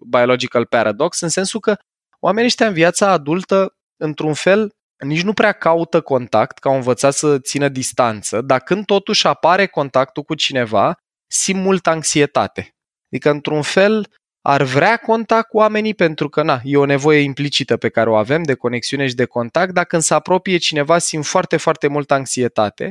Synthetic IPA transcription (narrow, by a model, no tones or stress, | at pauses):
bajo̞lod͡ʒikalpaɾʔad̪o̞ksɨnse̞nsukə | wʔame̞nieʃt̪eaɨnviat̪saːd̪ult̪ə | ɨnt̪ɾunfe̞l | nit͡ʃnupɾeakaut̪əko̞nt̪akt̪kaoɨnvət̪sat̪sət̪sinəd̪ist̪ant̪səd̪akɨnd̪̚t̪o̞t̪uʃʲapaɾe̞ko̞nt̪ak̚t̪ukut͡ʃine̞va | simpmult̪əaŋksie̞t̪a̰t̪e̞ | d̪ikəɨnt̪ɾunfe̞l | a̰rvɾeako̞nt̪akuame̞nipe̞nt̪ɾukənaje̞o̞ne̞vo̞je̞implit͡ʃit̪əpe̞kaɾeo̞ave̞md̪e̞ko̞ne̞ksiune̞ʃid̪e̞ko̞nt̪ak̚t̪̚d̪akɨnd̪səapɾo̞pije̞t͡ʃine̞vasimt̪foart̪e̞foart̪e̞mult̪əaŋksie̞t̪a̰t̪e̞̰